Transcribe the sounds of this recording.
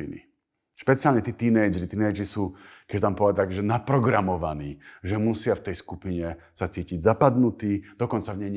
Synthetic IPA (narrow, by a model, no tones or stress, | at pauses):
inḭ | ʃpɛt͡sɪalɲɛt̪iːt̪iːnɛjd͡ʒɾit̪iːnɛjd͡ʒɾisuːkɛt͡ʃt̪ampɔʋɛakʒɛnapɾɔɡɾamɔʋa̰niːʒɛmusɪaft̪ɛjskupiɲɛ | sat͡siːciɟzapad̪nut̪iːd̪ɔkɔnt͡savɲɛjɲ